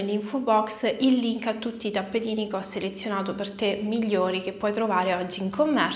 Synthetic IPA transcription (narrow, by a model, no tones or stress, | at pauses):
liɱfobɔksilːiŋkat̪ːut̪ːiːt̪apːet̪iːnikeɔselet̪sːjonaːt̪opert̪emiʎːoːɾikepːɔjt̪ɾovaːɾeɔd͡ʒːiiŋkomːɛr